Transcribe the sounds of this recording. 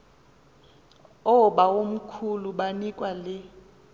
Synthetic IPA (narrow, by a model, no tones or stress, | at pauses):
ɔɓaom̩kʰuluɓanikʼwalɪ